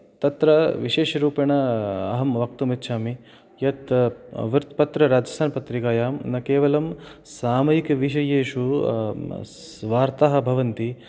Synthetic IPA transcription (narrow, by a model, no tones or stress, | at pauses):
t̪ɐt̪ɾɐʋiʃeːʃɐɾuːpjɐɳɐɐɦɐmʋɐk̚t̪umit̪ːʃʰaːmi | jɐt̪ʋɾt̪pɐt̪ɾɐɾaːd͡ʒɐsaːnpɐt̪ɾikaːjaːmnɐkeːʋɐlɐmsaːmɐjikɐʋiʃɐjeːʃu | s | ʋaːɾt̪aːɦɐ̆bʱɐʋɐnt̪i